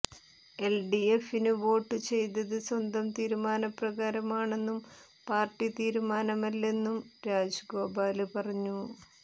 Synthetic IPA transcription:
e̞lɖiefinɨʋo̞ːʈːɨt͡ɕe̞jt̪̬ɐðɨswɐnd̪ɐmt̪iːɾumaːnɐprɐɣaːɾɐmaːɳe̞nːum | paːrʈːit̪iːɾumaːnɐmɐlːe̞nːumɾaːd͡ʑɡo̞ːbaːlɨpɐrɐɲːu

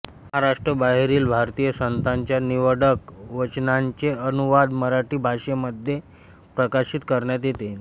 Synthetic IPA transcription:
məɦaɾaʂʈɾəbaɦeɾiːlbʱaɾt̪ijəsənt̪ʰaɲt͡ɕjaniʋəɽəkʋət͡ɕnaɲt͡ɕeənuʋad̪məɾaʈiːbʱaʂeməd̪ʱje | pɾəkaɕit̪kəɾɳjat̪̬jet̪en

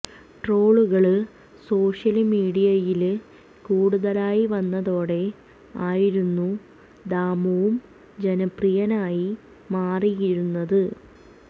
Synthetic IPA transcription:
ʈro̞ːɭuɣɐɭɨ | so̞ːʂjɐlmiːɽijɐjil | kuːɽuðɐlaːjiʋɐnːɐðo̞ːɽe̞ | aːjiɾunːu | d̪aːmɐʋum | d͡ʑenɐprijɐnaːji | maːrijiɾunːɐðɨ

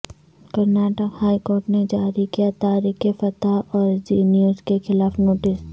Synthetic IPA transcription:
kɐɾnaːʈəkhaːikoːɾʈned͡ʒaːɾikijat̪aːɾikefɐt̪aʔɔːɾd͡ʒiːnijəɾskexɪlaːfnoːʈɪs

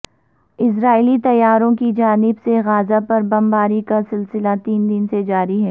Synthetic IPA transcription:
ɪs̬ɾaːɪlit̪ɐjːaːɾõkid͡ʒaːnɪbseɣaːzapɐɾbɐmbaːɾikasɪlsɪlat̪iːnd̪ɪnsed͡ʒaːɾiɦɛː

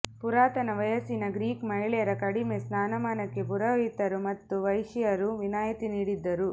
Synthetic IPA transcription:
puɾaːt̪ɐnɐʋɐjɐsinɐɡɾiːkmɐɦiɭɛjɐɾɐkɐɽimesnaːnɐmaːnɐkːe̞puɾɐʋit̪ɐɾumɐt̪ːuʋɐjʂijɐɾuʋinaːjit̪iniːɽid̪ːɐɾu

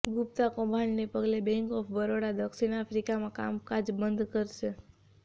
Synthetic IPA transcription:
ɡʱup̚t̪akɔ̃bʱaɳnepəɡlebɛ̃ŋkɔpʰbəɾoɽad̪əkʃinafɾikamãka̰mkad͡ʒbənd̪kəɾʃe

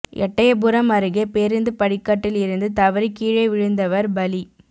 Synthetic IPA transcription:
ʔɛ̰ʈːɐjɐbʊɾɐmɐɾɯɣepeːɾɯnd̪ɯpɐɽɪkːɐʈːɪlɪɾɯnd̪ɯt̪ɐʋɐɾɪkːiːɻɐɪʋɪɻɯnd̪ɐʋɐɾbɐli

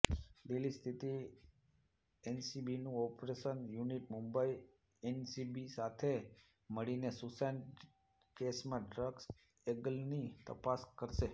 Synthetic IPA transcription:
ɖelist̪ʰit̪i | ensibinũɔpɾeʃənjuniʈmumbai | ensibisat̪ʰe | məɭinesusan | kesmãɖɾəɡs | eɡəlnit̪ə̰paskəɾʃe

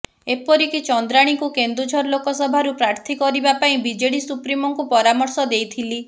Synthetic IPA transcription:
epɔɾikit͡ʃɔnd̪ɾaɽ̃ikukend̪ɾud͡ʒʱɔɾlokɔsɔbʱaɾupɾaɾt̪ʰikɔɾibapaĩbid͡ʒeɽisupɾimɔŋkupɔɾamɔɾsɔd̪ejt̪ʰili

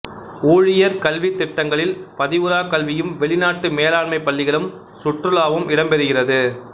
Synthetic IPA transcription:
uːɻɪjɐɾkɐlʋɪt̪ːɪʈːɐŋɡɐɭɪlpɐðɪʋɯɾaːkɐlʋɪjɯmʋɛɭɪnaːʈːɯmeːlaːɭmɐɪpːɐɭːɪɣɐɭɯm | sʊʈrɯɭaːʋɯmʔɪɽɐmpɛɾɯɣɪrɐðɯ

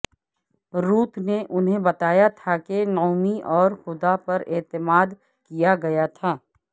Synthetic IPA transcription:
ɾuːt̪ʰneʔʊnɦẽbɐt̪aːjat̪ʰakenɔːmiʔɔːɾxʊd̪apɐɾɪ̰ːt̪ɪmaːd̪ | kijaɡɐjat̪ʰaː

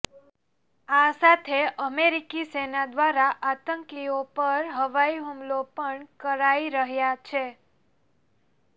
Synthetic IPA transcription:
asat̪ʰeʔəmeɾikisenad̪ʋaɾaʔat̪əŋkiopəɾɦəʋaiɦumlopəɳkəɾaiɾəɦjat͡ʃʰe

